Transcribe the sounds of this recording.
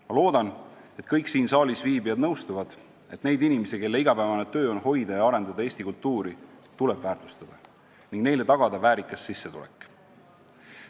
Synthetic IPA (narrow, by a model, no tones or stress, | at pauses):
mɑlo̞ːd̪̥ɑn | e̞t̪kɤjksiːnsɑːlisviːbiɑd̪nɤwst̪uvɑd̪̥ | e̞t̪ne̞jd̪inʲimesike̞lːe̞iɡ̥ɑpæevɑnet̪ø̞ːo̞nho̞jd̪̥ɑjɑɑɾe̞nd̪̥ɑd̪ɑe̞ːsʲt̪ikult̪ːuːɾit̪ule̞b̥væːrt̪ˑu̥st̪ɑd̪̥ɑ | niŋɡ̥ne̞jle̞t̪ɑɡ̥ɑd̪̥ɑvæːɾikːˑɑsːisːet̪ṵlḛkˑː